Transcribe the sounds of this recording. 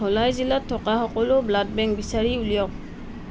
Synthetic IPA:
ɔlajzilatʰːɔkaxɔkɔlʊblad̚bɛŋkbisaɹiulijɔk̚

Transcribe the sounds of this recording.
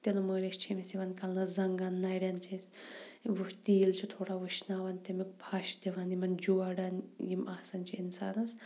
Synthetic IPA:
t̪elɐməːleʃt͡ʃʰimisiʋɐnkɐlnɐzɐŋɡanːajɽʲjɐnt͡ʃʰisʋuʃt̪iːlt͡ʃʰit̪ʰoːɽaʋɨʃnaːʋɐnt̪emik̚pʰɐʃd̪eʋɐnimɐnd͡ʒuːaɽɐnjimaːsɐnt͡ʃʰiinsaːnɐs

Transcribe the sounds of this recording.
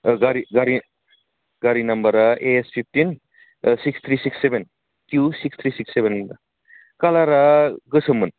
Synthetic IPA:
ɡaɾiɡaɾi | ɡaɾinɐmbɐɾaeespʰip̚ʰtin | sikst̪ʰɾisiksːeben | kjusikst̪ʰɾisiksːebenda | kalaɾaɡɯsɐmun

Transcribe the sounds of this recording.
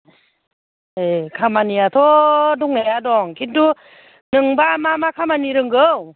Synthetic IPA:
ekʰamaniat̪ʰɔduŋejadɔŋkʰindu | nɯŋbamamakʰamaniɾɯŋɡɯw

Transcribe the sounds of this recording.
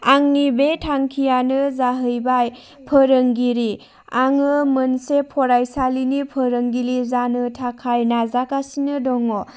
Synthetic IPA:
aŋnibetʰaŋkʰijanɯzaɦɯjbaj | pʰəɾɯŋɡiɾi | aŋɯmɯnsepʰɔɾajsalinipʰəɾəŋɡilizanɯtʰakʰajnazakasinɯdɔŋɔ

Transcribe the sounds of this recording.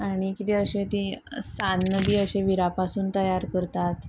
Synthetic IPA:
aɽ̃ikit̪eəɕẽt̪isanːəbiːəɕeʋiɾapasuːnt̪əjaɾkəɾt̪at̪

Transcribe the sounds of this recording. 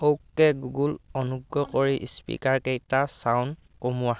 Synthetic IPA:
owkːɛɡuɡulɔnuɡːɔkoɹiʔspḭkaɹkejtasaʊn | komua

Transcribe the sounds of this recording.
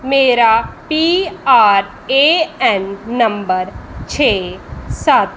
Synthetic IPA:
meːɾapiaːɾ | eɛnːɐ̃mbəɾt͡ʃʰeːsaːt̪

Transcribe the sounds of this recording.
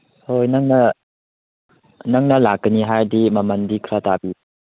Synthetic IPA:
hojnɐŋnɐ | nɐŋnɐlakːəniɦajdimɐmɐndikʰɾatabi

